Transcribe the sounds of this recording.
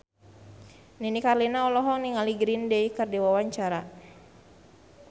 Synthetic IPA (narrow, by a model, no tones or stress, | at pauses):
ninikarlinaɔlɔɦɔŋniŋaliɡɾindɛikərdiwawaɲt͡ʃaɾa